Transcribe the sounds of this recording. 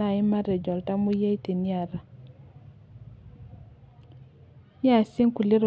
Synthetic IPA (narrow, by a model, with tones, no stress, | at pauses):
a˦˨i˦ma˦ɾe˨d͡ʒɔ˨lta˦mu˦je˦i˦ti˨ni˦a˨ɾa˨˦ | ja˦˨si˦ŋku˨li˦ɾ